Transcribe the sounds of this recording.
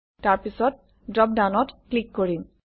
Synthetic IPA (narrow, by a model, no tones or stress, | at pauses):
taɹpisɔt̚ | dɹɔp̚danɔtklikːoɹim